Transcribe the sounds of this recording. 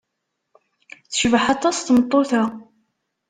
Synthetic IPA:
θə̥ʃvəħɑt̪ˤɑsθmət̪ˤːoθæ

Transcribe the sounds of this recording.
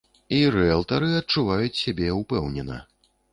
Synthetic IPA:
irɛlˠt̪ɐɾɨɐt̪̚t͡ʂuvajut͡sʲsʲabʲɛupɛwnʲɛnɐ̰

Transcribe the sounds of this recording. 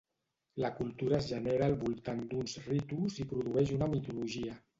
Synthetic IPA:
ləkulˠt̪uɾaːzʒəneɾaːlˠβulˠt̪and̪unzrit̪uzipɾuðuɛʃunamit̪uluʒiə

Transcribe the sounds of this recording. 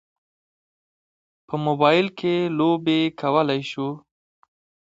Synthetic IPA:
pəmobɑjɪlkʰelobekʰawəlajʃu

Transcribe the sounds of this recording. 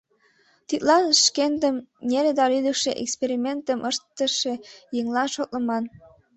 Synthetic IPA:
t̪it̪̚lɑnʃkend̪əmneɾed̪ɑlyd̪əkʃeʔḛkspeɾimʲent̪əmʔəʃt̪ːəʃejeŋlɑnʃot̪ləmɑn

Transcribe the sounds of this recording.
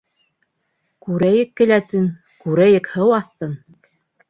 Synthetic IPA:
kʉɾæjɘkːɘ̆læt̪ɘn | kʉɾæjɘkhɤwɑθt̪ɤn

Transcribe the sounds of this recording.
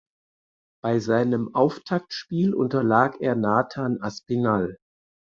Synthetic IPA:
b̥aɪzaɪnəmʔaʊftʰak̚tʃpiːlʔʊ̰ntɐlaːkeːɐnaːtʰaːnʔaspinal

